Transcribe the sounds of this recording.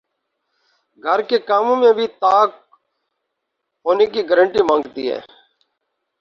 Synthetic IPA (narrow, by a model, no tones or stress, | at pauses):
ɡʱəɾkeːkaːmõːmẽːbʱiːt̪aːk̚ | ɦoːneːkiːɡəɾəɳʈiːmãːŋɡt̪ḭːɦɛ̰ː